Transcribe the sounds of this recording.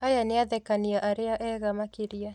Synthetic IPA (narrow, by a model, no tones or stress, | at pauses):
ajaneaðɛkaniaʔaɾeaʔɛɣamakeɾia